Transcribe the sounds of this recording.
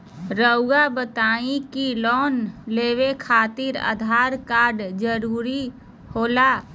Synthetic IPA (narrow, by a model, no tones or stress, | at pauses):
ɾəʊɡabət̪aːĩkilɔːnleːwekʰaːt̪ɪɾə̰d̪ʱaɾkaːɾɖd͡ʒəɾuːɾi | hoːla